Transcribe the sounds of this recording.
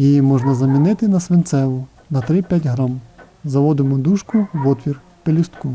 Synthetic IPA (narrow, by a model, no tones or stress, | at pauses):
jijimɔʒnɐzɐmʲinɪt̪ɪnɐsʋɪnt̪sɛʋʊ | nɐt̪ɾɪpʲjatʲɦɾɔm | zɐʋɔd̪ɪmʊd̪uʃkʊʋɔt̪ʋʲir | pelʲist̪ku